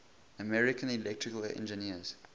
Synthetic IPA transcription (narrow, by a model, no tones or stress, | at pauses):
əmɛɹɪkʰə̃nilɛk̚tɹ̥ɪkəlɛ̰̃nd͡ʒəniəz̥